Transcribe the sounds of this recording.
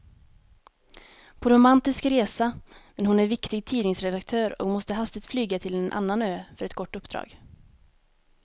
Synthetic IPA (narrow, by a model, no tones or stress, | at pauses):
pʰɔɾʊmant̪ɪskɾeːsamɛnɦʊnæɾvɪkt̪ɪɡ̚t̪ʰiːnɪŋsɾɛd̪akt̪ʰøːɾɔ̰kmɔst̪əɦast̪ɪɡ̚t̪flyːɡat̪ʰɪlɛnʔa̰nːanøːfœɾɛt̪kʰɔʈːɵpːd̪̥ɾɑ̰ːɡ